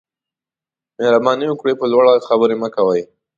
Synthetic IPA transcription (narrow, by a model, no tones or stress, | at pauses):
mehɾabɑniwəkɽepəlwaɽaxabəɾeməkawəj